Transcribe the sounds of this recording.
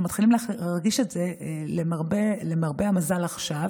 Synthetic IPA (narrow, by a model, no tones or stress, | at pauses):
mat̪χilimlaʁɡiʃetz̥elemaʁbelemaʁbeamazalaχʃav